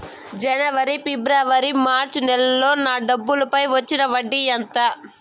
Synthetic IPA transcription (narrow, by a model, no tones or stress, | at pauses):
d͡ʒɛnɐʋɐɾipibɾaːʋɐɾimaːɾt͡ʃnɛlɐlo̞ːnaːɖɐbːulɐpɐjʋɐt͡ʃːinɐʋɐɖːijɐnt̪ɐ